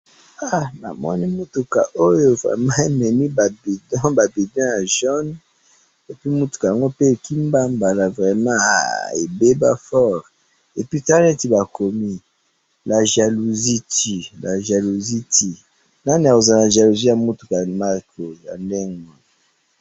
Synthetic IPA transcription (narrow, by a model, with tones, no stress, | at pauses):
a˦na̰˨mɔ̰˦ni˦mu˦tu˨ka̰˨ʔo˦jo˦˨vʁɛ̰˨mã˦e˨mɛ˨ni˦ba˨bi˨dɔ̃˦ba˨bi˨dɔ̃˦ja˨ʒɔ˦n | e˨pi˦mu˦tu̥˨ka˨a˨ŋɡo˦pe˦˨ki˦mba˦mba˨la˨vʁɛ˨mã̰˦˨e˨be˦ba̰˦fɔ˦˨ʁ | e˨pi˦ta˦ɛ̃˦ti˨ba˨ko˨mi˦ | la˨ʒa˨lu˨zi˦ti˨la˨ʒa˨lu˨zi˦tʰi˨ | na˦ni˨a˨ko˨za˨na˨ʒa˨lu˨zi˦ja˨mu˦tu̥˨ka˨ma˦kʰo˨ja̰˨ndɛ˦ŋɔ˨